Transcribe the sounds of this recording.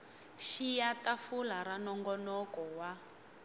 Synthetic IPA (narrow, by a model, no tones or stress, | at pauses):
ʃijatafulaɾanɔŋɡɔnɔkɔwa